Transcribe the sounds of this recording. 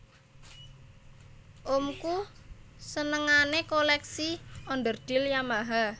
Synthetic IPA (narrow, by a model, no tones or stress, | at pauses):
ʔomku | sənəŋanekolɛksiɔnd̪ərd̪̥i̤ljamaɦa